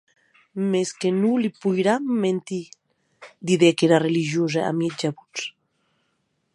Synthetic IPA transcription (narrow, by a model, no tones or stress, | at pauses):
meskenulipujɾamːent̪i | d̪iðekeɾareliʒjozaa̰mjet̪d͡ʒaβut͡s